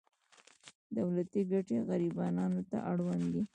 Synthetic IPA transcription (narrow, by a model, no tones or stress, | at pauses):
d̪awlat̪iɡaʈeɣaɾibɑnɑnot̪a̰ʔaɽwand̪i